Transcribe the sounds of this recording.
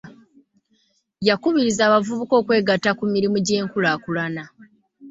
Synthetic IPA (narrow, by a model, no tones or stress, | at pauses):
jakuβiɾizaːβavuβuko̞ːkwe̞ːɡatːakumiɾimuɟe̞ːŋkulaːkulana